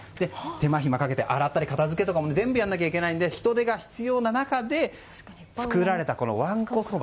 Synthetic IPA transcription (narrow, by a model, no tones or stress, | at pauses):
d̪̥e̞t̪e̞maçimakake̞t̪eʔaɾat̪ːaɾʲikat̪azɨke̞t̪o̞kamo̞ned͡zẽ̞mbɯ̟janːakʲaikʲe̞naĩnd̪e̞çi̥t̪o̞d̪e̞ɡaçi̥t͡sɨjo̞ːnanakad̪e̞ | t͡sɨ̥kɯ̟ɾaɾe̞t̪ako̞no̞̰βãŋkko̞soː